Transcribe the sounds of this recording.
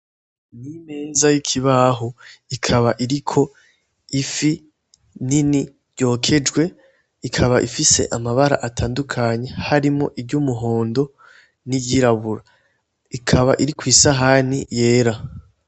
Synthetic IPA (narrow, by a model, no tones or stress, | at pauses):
nime̞ːzajikʰiβaɦoikʰaβaʔiɾikʰo̞ | ifi | nini | ɾjo̞ːkʰe̞d͡ʒɡwe̞ | ikʰaβaʔifise̞̰ʔamaβaɾa̰ʔatʰaːndukʰaɲe̞haɾimŋoʔibɟuːmuɦo̞ːndo̞ | niɟiɾaβuɾa | ikʰaβaʔiɾikwiːsaɦanije̞ːɾa